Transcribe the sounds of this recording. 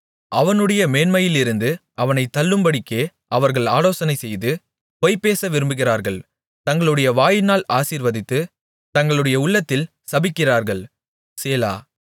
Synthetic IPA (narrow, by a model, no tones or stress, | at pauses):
ɐʋɐnɯɽɐjɐmeːnmɐjɪlɪɾɯnd̪ɯʔɐʋɐnɐɪt̪ːɐlːɯmbɐɽɪkːeː | ʔɐʋɐɾɣɐɭaːloːsɐnɐɪsɛjðɯ | pɔɪpːeːsɐʋɪɾɯmbɯɣɪraːɾɣɐɭ | t̪ɐŋɡɐɭɯɽɐjɐʋaːjɪnaːlaːsiːɾʋɐðɪt̪ːɯ | t̪ɐŋɡɐɭɯɽɐjɐʊɭːɐt̪ːɪl | sɐbɪkːɪraːɾɣɐɭ | seːla̰ː